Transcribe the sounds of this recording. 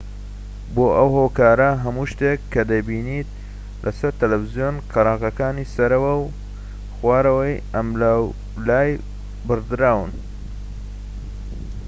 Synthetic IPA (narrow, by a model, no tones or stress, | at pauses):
boːʔɐwhoːkaːɾɐɦɐmuːʃt̪ekʰːɐd̪ɐjbiːniːt̪̚ | lʔɐsɐɾt̪ɐlɐfɨzijoːnqʰɨɾɑːqɐkaːniːsɐɾɐwɐw | xwaːɾɐwɐjɐmlaw | laːj | bɨɾd̪ɨɾaːwɨn